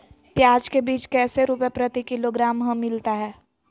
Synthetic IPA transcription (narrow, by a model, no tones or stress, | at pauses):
pjaːd͡ʒkebiːt͡ʃkɛːseɾuːpepɾət̪ikɪloɡɾaːmɦə̃mːɪlt̪aɦɛː